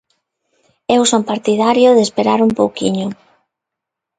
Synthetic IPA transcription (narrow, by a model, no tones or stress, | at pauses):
ewsompaɾt̪iðaɾjoðespeɾaɾumpowkiɲʊ